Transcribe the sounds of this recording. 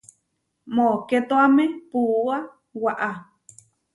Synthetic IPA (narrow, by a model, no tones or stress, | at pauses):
moket̪oamẽpua | waʔa